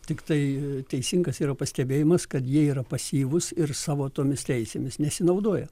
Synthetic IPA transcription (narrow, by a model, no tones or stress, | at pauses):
t̪ʲɪkt̪ɐɪt̪ʲɛɪsʲɪŋɡɐsiːɾɐpɐsʲt̪ʲɛbʲeːjɪmɐskɐt̪jiɛiːɾɐpɐsʲiːʋʊsɪrsɑːʋoːt̪oːmʲɪst̪ʲɛɪsʲeːmʲɪsnʲɛsʲɪnɐʊd̪oɔjɛ